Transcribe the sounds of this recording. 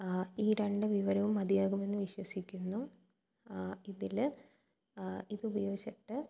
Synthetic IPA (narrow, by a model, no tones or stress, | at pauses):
iːɾe̞ɳɖɨʋiʋɐɾɐʋumːɐd̪ijaːɣume̞nːɨʋiɕwɐsikʲːunːu | iðil | iðɨubɐjo̞ːɡiɕɐʈːɨ